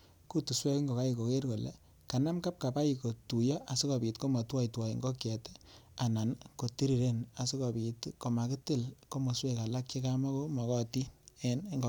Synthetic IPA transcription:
ku˦tu˨swɛ˦ki˦ŋɡo˨ka˦i˧ko˨ke˦rko˨lḛ˨ | ka˨na˦mka˦p̚ka˨pa˦i˨ko˨tu˨jɔ˦ʔa˨si˦kɔ˨pi˨tko˦mɔ˨twɔ˦jtwɔ˨ji˨ŋɡɔ˦kjɛ˨te̥˦a˨na˨nko˨ti˦ɾi˨ɾe˦na˨si˦kɔ˨pi˨tko˨ma˨ki˦tɪ˦˨lko˦mɔ˨swe˦ka˨la˦kt͡ʃe˦ka˦ma˦ko˦mɔ˨kɔ˦ti˦e˦n˦ŋɡ

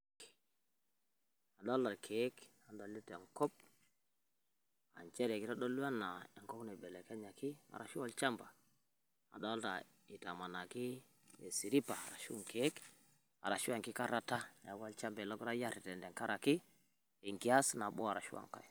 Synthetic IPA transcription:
a˨dɔ˦la˨lkʰe˨˦k | a˨ndɔ˨li˦te˨ŋkɔ˦p̚ | a̰˨ɲt͡ʃɛ˦ɾɛ˨ki˦ta˦dɔ˦lu˦a˦na˨e˨ŋkɔ˦knɛ˨bɛ˨lɛ˨ka˦ɲa˨ki˦a̰˨ɾa̰˨ʃu˦a˦lt͡ʃa˦mba˨ | a̰˨dɔ˦lta˨ | i˨ta˨ma˨na˨ki˦ | e˨si˨ɾi˦pa˨a˨ɾa˨ʃu˦˨ŋke˨˦k | a̰˨ɾa˨ʃu˦a˨ŋki˦ka˦ɾa˨ta˦ja˨ɡwa˦lt͡ʃa˦mbɛ˨lɔ˦kɾa˦ja˦ɾi˨tɛ˨ndɛ˨ŋka˦ɾa˨ki˦ | e˨ŋki˨a˦sna˨bɔ̰˦a˨ɾa˨ʃu˦a̰˨ŋka̰˨j

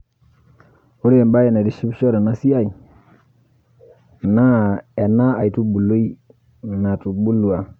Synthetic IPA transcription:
u˦ɾi˦e˨mba˦jɛ˨na˨di˦ʃi˦bʃɔ˦ɾɛ˨na˦si˦a˦i˨ | na˦ɛ˨na˦a˨jtu˦bu˨lu˦i˦ | na˨tu˨bu˦lːu˨a˨

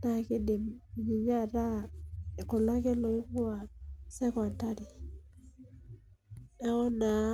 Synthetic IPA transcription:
na˨˦kɪ˦dɪ˨m˨ɲi˨ɲa˦˨ɾa˦˨kʊ˨la˦ke˦lo˨˦ku˦a˨sɛ˦kɔ˨a˨ta˦ɾi˨ | ɛ˦ɔ˦na˨˦

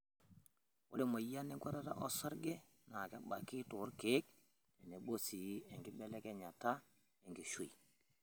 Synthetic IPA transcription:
wʊ̰˦le˦mo˨ja˦ni˦ŋɡa˦ɾa˦ta̰˦ʔɔ˦sa˦ɾɡɛ˦ | na˨kɛ˦ɓa˨kɪ˦tʊ˨˦ɾkeː˨˦k̚ | ɛ˨ne˨ɓo˦si˨˦ɛ˨ŋɡɪ˦bɛ˦lɛ˦kɛ˦ɲa˨ta˦ | ɛ˨ŋɡi˨ʃu˨i˨

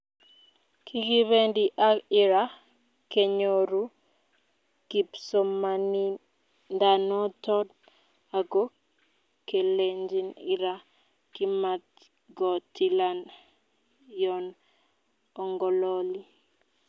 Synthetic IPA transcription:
kʰi˦ɡi˦βe˦ndi˦ʔa˦ɪ˦ɾa˦ | ke˨ɲoɾu˦ | ki˨pso˨ma˨ni˦ | nda˨nɔ˦tɔ˦d̚ | a˨ɡo˦ | ke˨leɲd͡ʒi˦nɪ˦ɾa˦ | ki˦ma˨t̚ | ɡɔ˨tʰi˦la˦n | jɔn | ɔ˨ŋɡɔ˨lɔ˦li˦

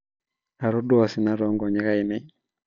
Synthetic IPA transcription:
a˨ɾɔ˦dɔ˦a˨sɪ˨na˦ɾɔ˨˦ŋɡɔ˨ɲɛ˦ɣa˦i˨nɛ˦ɲ

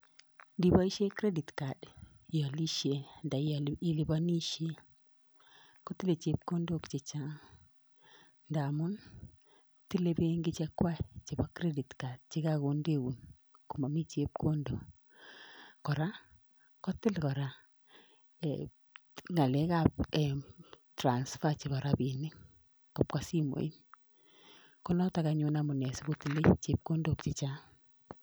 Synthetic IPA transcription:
di˨bɔ˦i˦ʃe˦kɾe˦di˨tka˨d | jɔ˨li˦ʃe˨˦nda˨˦i˨li˨bɔ˦ni˦ʃe˦ | kɔ˦tɪ˦le˨t͡ʃe˦p̚ko˦ndo˦kt͡ʃe˨t͡ʃa˦ | nda˨mʊ˦n | ti˦le˦be˦ŋɡi˦t͡ʃɛ˦kwa˦˨t͡ʃi˨bɔ˦kɾe˦di˨tka˨d̚t͡ʃɪ˦ka˦ko˨nde˦˨wu˨n | ku˨ma˨mi˦t͡ʃe˦p̚kʰo˦ndo˨ | kɔ˨ɾa˦ | kɔ˦tɪ˦lkɔ˨ɾa˨ | ŋa˨lɛ˦ka˦p̚e˨tɾa˨nsfa˦t͡ʃi˨βɔ˨ɾabi˨nɪ˦ŋ | kɔ˨p̚ka˦si˦mo̰˨i˦n | kɔ˦nɔ˦ta˨kaɲʊ˦namʊ˨ne˨si˦bo˦ti˨le˦t͡ʃe˦p̚ko˦ndo˨kt͡ʃi˨t͡ʃa˦

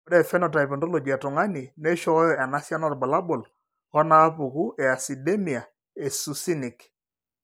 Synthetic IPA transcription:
oɾɛ˨fɛ˦nɔ˨ta˨ipɔ˨ndo˦lo˨ɡi˨a˨tʊ˨ŋa˦ni˨ne˦ʃɔ˦ɔ˦jɔ˨ʔa˨na˦sja˦nɔ˦rba˨la˦bo˨l | kɔ˦na˦pu˨ku˦ʔɛ˨a˨si˨de˦mi˨a˨ | e˨su˨si˦nɪ˨k

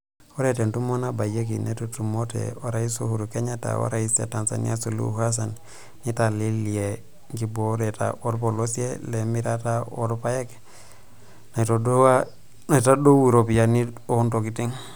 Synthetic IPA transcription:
o˦ɾete˨ntu˦mo˦na˦ba˨je˦k̬i˨netotu˨mo˦tḛ˨wa˦ɾai˦so̰˦hu˨ɾuke˦ɲa˦ta̰˨wa̰˦ɾa˨isḛ˨ta˨nsa̰˨nḭa˦so˨lṵ˦ha˦s̬a˨n | ni˦ta˨li˦li˨e˨ | ŋɡi˦boɾe˨ta̰˨o˦ɾpo˨losi˦ḛ˦le˨mi˦ɾa˦ta˦o˦ɾpa˦je˦k | ne˨toa | na˨ta˦do˦wi˨ɾo˨pi˨ja˨nio˦nto˨ki˨ti˦ŋ

